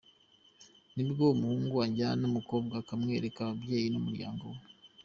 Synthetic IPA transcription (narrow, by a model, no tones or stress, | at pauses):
nibɡomuhuːŋɡuwaɲɟanomuko̞ːbɡakamŋe̞ɾekaβabje̞ːjinomuɾja̰ːŋɡo̞we